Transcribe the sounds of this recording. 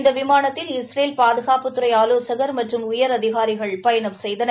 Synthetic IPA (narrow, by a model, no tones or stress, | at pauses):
nd̪ɐʋɪmaːnɐt̪ːɪlɪsɾeːlpaːðɯɣaːpɯt̪ːɯɾɐɪaːloːsɐɣɐɾmɐʈrɯmʊjɐɾɐðɪɣaːɾɪɣɐɭpɐjɐnɐʋsɛjðɐn